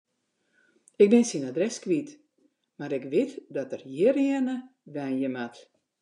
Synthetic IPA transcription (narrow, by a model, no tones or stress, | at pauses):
ɪk̚bɪnsinadrɛskʋit | maɾɪkʋɪtdɔtərjɪrɪnəʋɛjnjəmat